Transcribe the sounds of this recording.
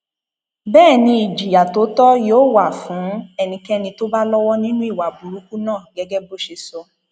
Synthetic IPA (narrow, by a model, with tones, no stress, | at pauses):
bɛː˦˨nĩ˧i˨d͡ʒi˨ja˨to˨˦tɔ˦joː˦˨wa˨fũ˨˦ɛ˧nĩ˧kɛ˦nĩ˧to˦ba˦lɔ˦wɔ˦nĩ˦nũ˦i˦˨wa˨bu˨ɾu˨˦ku˦nãː˦˨ɡɛ˨˦ɡɛ˦bo˦ʃe˧sɔ˧